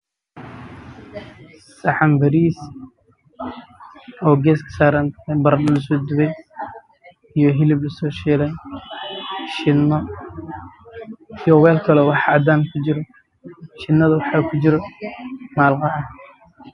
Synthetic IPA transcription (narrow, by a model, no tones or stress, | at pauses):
sɐħɑmbɐɾiːs | ɔːɡɛːskʰɐ̥saːɾɐnt̪ʰbɐɾdlɐsɔːd̪ʊβɛj | ijɔɦɪlɪblɐsɔːʃɛːlɛn | ʃɪnɔ | ijɔwɛːlkʰɐlɔwɑħɑd̪aːnkʰʊt͡ʃɪɾɔ | ʃɪnːɐðɐwɑħaːkʰʊt͡ʃɪɾɔ | maːlqɑʕɑ